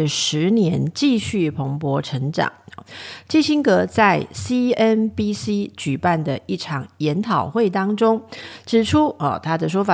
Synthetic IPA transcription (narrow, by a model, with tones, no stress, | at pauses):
ə˨ʂɻ̩˧˦njɛ˧˥nt͡ɕi˥˧ɕy˥˩pʰo˧˥ŋpwɔ˧˥ʈ͡ʂʰə˧˥ŋʈ͡ʂɑ̰˨˩˦ŋ˨t͡ɕi˥˧ɕi˥ŋkɤ˧˥t͡sa˥˧ɪsi˥ɛ˥npi˥si˥t͡ɕy˨˩pa˥˩nd̪ə˩i˥˩ʈ͡ʂʰɑ˨˩ŋjɛ˧˥nt̪ʰɑ˨˩ʊxwe˥˩ɪt̪ɑ˥ŋʈ͡ʂʊ˥ŋʈ͡ʂɻ̩˨˩ʈ͡ʂʰu˥ɔ̰˨t̪ʰa˥d̪ə˨ʂ̬wɔ˥fa˨˩